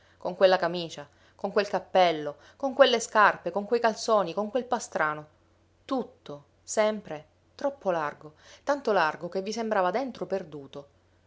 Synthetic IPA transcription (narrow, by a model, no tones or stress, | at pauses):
koŋkwelːakamiːt͡ʃa | koŋkwelkapːɛlːo | koŋkwelːeskarpekoŋkwejkalt̪soːnikoŋkwelpast̪ɾaːno | t̪ut̪ːo | sɛmpɾe | t̪ɾɔpʰːolarɡot̪ant̪olarɡokevːisembɾaːvad̪ent̪ɾoperd̪uːt̪o